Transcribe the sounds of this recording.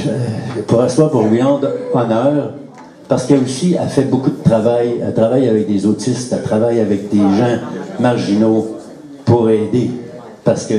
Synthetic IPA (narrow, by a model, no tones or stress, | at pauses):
puʁaswapuʁljɑ̃ːd̪ɔnœːʁ | paʁsə̥kəosia̰fɛbokud̪ət̪ʁavaja̰t̪ʁavajavɛk̚d̪ezot̪ɪst̪at̪ʁavajavɛk̚d̪eʒɑ̃maʁʒino | puʁɛːd̪e | paʁsə̥kə